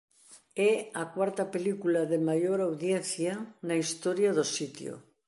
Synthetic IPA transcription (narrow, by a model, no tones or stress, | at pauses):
ɛakwaɾt̪apelikulaðemajoɾawðjenθjanaist̪oɾjaðosit̪jo̰